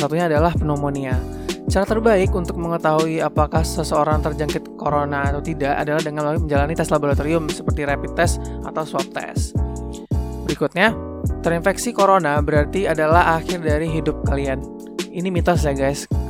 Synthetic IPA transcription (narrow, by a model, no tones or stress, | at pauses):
sat̪uɲaːdalahpənomoniat͡ʃaɾat̪ərbaɪkunt̪ʊk̚məŋət̪aɦuiapakahsəsəoɾaŋt̪ərd͡ʒaŋkɪt̪koɾonaːt̪awt̪idaʔa̰dalahdəŋanlaməɲd͡ʒalanit̪ɛslaboɾat̪oɾiʊmsə̥pərt̪iɾapit̪ɛsʔa̰t̪awswaf̚t̪ɛ̰s | bəɾikʊt̪̚ɲat̪əɾinfɛksikoɾonabəɾart̪iadalahaxɪrdaɾiɦidʊp̚kalian | inimit̪ɔs̬jaɡajs